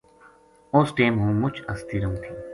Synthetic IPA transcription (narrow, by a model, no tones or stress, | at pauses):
oːsʈeːmɦũːmʊt͡ʃʰəst̪iːɾõːt̪ʰiː